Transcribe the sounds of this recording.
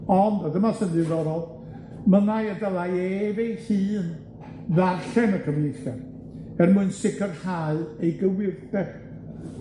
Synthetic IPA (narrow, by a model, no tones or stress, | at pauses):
ɔndadəmasənɨðɔɾɔ | mənajədəlˠajɛevejhɨːn | ðarɬɛməkʰəmnɪθa | ɛrmuɨnsɪkʰərhaɨejɡəwɪrdɛ